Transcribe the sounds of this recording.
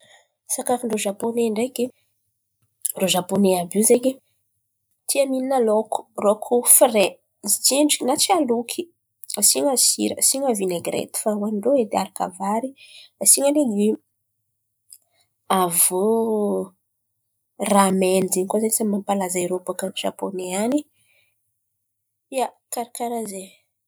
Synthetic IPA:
sakafiɳɖ͡ʐoʒaponeɳɖ͡ʐeke | ɳɖ͡ʐoʒaponeabiwzeɲe | t̪ʰiamininaloku̥rokʰufre | zit͡seɳɖ͡ʐiknat͡ʃialukʰi | asiŋasḭɾə̰siɲavineɡɾḛt̪i̥fawanɳɖ͡ʐoed̪eaɾaka̰vaɾiasiɲalei | avo | ramenizeɲkozanisammampalazaeɾopakanʒa̰poneani | ia | kaɾakaɾaze

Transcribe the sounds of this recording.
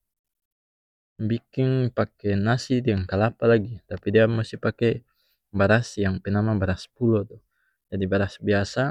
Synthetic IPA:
bikiŋpakɛnasidiaŋkalapalaɡit̪apidiamusipakɛ | baɾasjaŋpɛnamabaɾaspulɔt̪ɔ | d͡ʒadibaɾasbiasa

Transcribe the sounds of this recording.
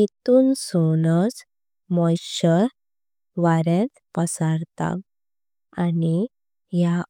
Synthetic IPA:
it̪uːnsonəs | mɔjɕə | ʋaɾẽt̪pəsaɾt̪a̰k | ani | ja

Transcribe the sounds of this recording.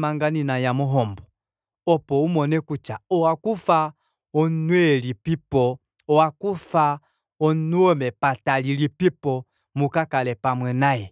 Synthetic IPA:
maŋɡaninajamɔɦɔmbɔ | ɔpɔumɔnɛkut͡ʃaɔwakufa | ɔnnwɛlipipɔ | ɔwakufa | ɔnnuɔmɛpatalilipipɔ | mukakalɛpamwɛnajɛ

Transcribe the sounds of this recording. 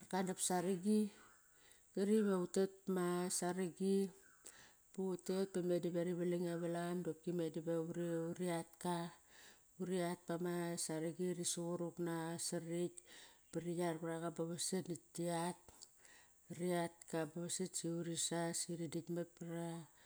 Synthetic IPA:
akadapsaɾiɡi | kaɾiβautet̚masaɾiɡi | puutet̚pamedibaɾiβaliŋaβalandop̚kimedibauɾiuɾiat̚ka | uɾiat̚pamasaɾiɡiɾisuɣuɾuknasaɾitpaɾijaɾpaɾaɣabaβasenitːiat | ɾiat̚kabaβasetsiuɾisasiɾiditmat̚paɾa

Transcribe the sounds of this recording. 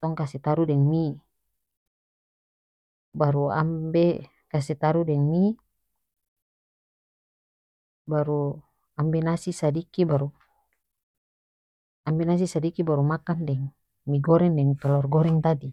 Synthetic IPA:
t̪ɔŋkasɛt̪aɾudɛŋmi | baɾua̰mbɛ | kasɛt̪aɾudɛŋmi | baɾu | ambɛnasisadikibaɾu | ambɛnas̬isadikibaɾumakandɛŋ | miɡɔɾɛŋdɛŋt̪ɔlɔrɡɔɾɛŋt̪adi

